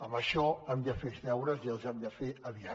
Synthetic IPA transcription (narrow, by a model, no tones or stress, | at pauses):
əməʃɔamd̪əfezðɛwɾəziəlˠzamd̪əfeəβia